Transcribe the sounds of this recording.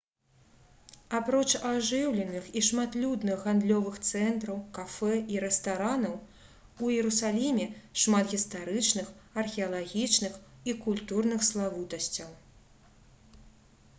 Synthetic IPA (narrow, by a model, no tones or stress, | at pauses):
apɾɔt͡ʂaʐɨwlʲɛnɨxiʂmat̪lʲud̪nɨxɣand̪lʲɔvɨxt̪sɛnt̪ɾɐwkafɛiɾɛst̪aɾanɐw | ujɛɾusalʲimʲɛʂmat̪ɣʲist̪aɾɨt͡ʂnɨxɐrxʲɛɐlˠaɣʲit͡ʂnɨxikulʲt̪urnɨxslˠavut̪ɐsʲt͡sʲɐw